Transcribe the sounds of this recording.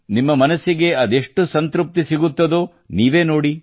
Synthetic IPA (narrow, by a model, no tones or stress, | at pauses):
nimːɐmɐnɐsiɡe̞ɐd̪e̞ʂʈusɐnt̪ɾup̚t̪isiɡut̪ːɐd̪u | niːʋe̞ːno̞ːɽi